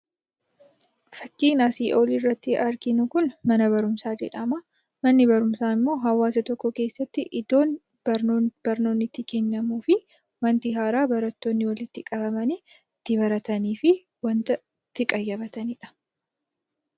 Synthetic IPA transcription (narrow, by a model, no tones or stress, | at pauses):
fɐkːiːnaːsiːʔoːlirːɐt̪ːɪʔɐɾɡɪnʊkʊnmɐnɐβɐɾʊmsaːd͡ʒɛ̰ᶑɐmɐ | mɐnːɪbɐɾʊmsaːɪmːo̞ːɦɐwːaːsɐt̪ɔkːɔke̞ːsːɐt̪ːɪʔɪd̪o̞ːn | bɐɾb̥ɐɾno̞ːnːɪt̪ːɪkɛnːɐmuːfɪ | wɐnt̪ɪɦaːɾaːbɐɾɐt̪ːo̞ːnːɪwɐlɪt̪ːɪkʼɐβɐmɐni | t̪ːɪbɐɾɐt̪ɐniːfɪ | wɐnt̪ɐ | t̪ːɪkʼɐjːɐbɐt̪ɐnɪᶑɐ̥